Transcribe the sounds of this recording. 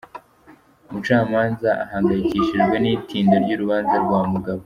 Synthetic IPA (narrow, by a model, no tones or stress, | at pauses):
mut͡ʃaːmaːnzaʔa̰haːŋɡajikiːʃiʒɡwe̞niːtʰiːndoɾɟuːɾuβaːnzaɾɡwaːmuɡaβo